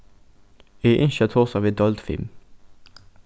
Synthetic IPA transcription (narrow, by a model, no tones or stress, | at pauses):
iːʔɪ̰nʃət̪ʰɔsɑʋiːd̪ɔld̪fɪ̰m